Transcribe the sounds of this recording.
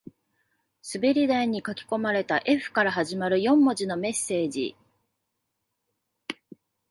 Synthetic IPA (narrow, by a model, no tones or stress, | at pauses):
sɨbe̞ɾʲid̪aiɲ̟ikakʲi̥ko̞maɾe̞t̪aʔe̞ɸɯ̟̥kaɾaɦaʑimaɾɯ̟jõ̞mːo̞ʑino̞me̞sːe̞ːʑḭ